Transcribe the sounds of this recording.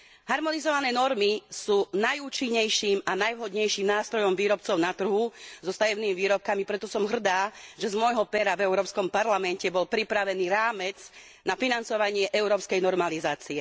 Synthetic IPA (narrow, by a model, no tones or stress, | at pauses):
ɦaɾmɔnizɔʋanɛːnɔɾmisuːnajuːt͡ʃiɲːɛjʃiːmanajʋɦɔd̪ɲɛjʃiːmnaːst̪ɾɔjɔmʋiːɾɔpt͡sɔʊnat̪r̩ɦuzɔst̪ajɛʊniːmiʋiːɾɔp̚kamipɾɛt̪ɔsɔmɦr̩d̪aːʒɛzmɔjɦɔpɛɾavɛʊɾɔːpskɔmpaɾlamɛncɛbɔlpɾipɾaʋɛniːɾaːmɛd͡z | nafinant͡sɔʋaɲɪɛʔɛʊɾɔːpskɛjnɔɾmalizaːt͡siɛ